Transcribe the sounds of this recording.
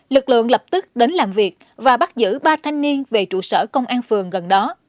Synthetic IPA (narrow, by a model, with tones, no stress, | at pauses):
lɨ˨˩k̚lɨ̰˧˨əŋlə˨˩p̚t̪ɨ˦˥k̚ɗe˨˦nlaː˨˩mvi˨˩ək̚ | vaː˨˩ɓa˦˥t̚zɨ̰˧˥ɓaː˧t̪ʰa˧jŋ̟ni˧ənve˨˩t͡ɕṵ˧˨səː˧˩kə˧wŋ͡mʔaː˧nfɨ˨˩əŋɣə˨˩nɗɔ˨˦